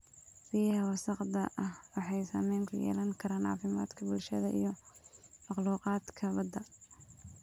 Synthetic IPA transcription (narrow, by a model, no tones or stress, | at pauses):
sihɐwɑsɑqd̪ɐʔɐhwɑħɑjsa̰ːmɛjŋkʰʊjɛ̰ːlɐŋkʰɐɾaːnɑ̰ːfɪma̰ːd̪kʰɐbʊlʃɐðɐʔḭj | mɑχluːqɑːd̪kʰɐbɐd̪ːɐ